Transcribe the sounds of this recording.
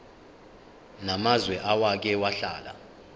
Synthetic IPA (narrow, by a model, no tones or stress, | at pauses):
namazwɛʔawak̬ɛwaɬa̰ːla̰